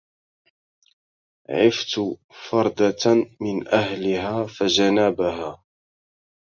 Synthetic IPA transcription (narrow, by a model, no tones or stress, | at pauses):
ʕɪft̪fɑɾˤd̪ɑmɪnʔaɦlɪɦaːfad͡ʒanaːbaɦaː